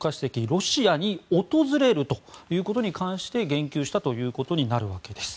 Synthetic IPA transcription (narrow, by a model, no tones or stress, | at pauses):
kaɕi̥sekʲiɾo̞ɕiaɲ̟io̞t̪o̞zɨɾe̞ɾɯ̟t̪o̞jɯ̟ːko̞t̪o̞ɲ̟ikãɰ̃ɕi̥t̪e̞ɡẽ̞ŋkʲɨːɕi̥t̪at̪o̞jɯ̟ːko̞t̪o̞ɲ̟inaɾɯ̟βake̞d̪e̞sɨ̥